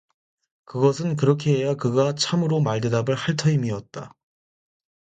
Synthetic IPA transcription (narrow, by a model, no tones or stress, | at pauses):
kɯɡʌsʰɯnk̬ɯɾʌkʰe̞ɦejakɯɡat͡ɕʰamɯɾomaɭde̞dabɯɭhaɭtʰʌimiʌt̚t͈a